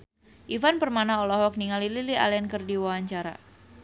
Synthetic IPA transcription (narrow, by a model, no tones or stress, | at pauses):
ʔivanpərmanaɔlɔɦɔk̚niŋalililiʔa̰lɛnkərdiwawaɲt͡ʃaɾa̰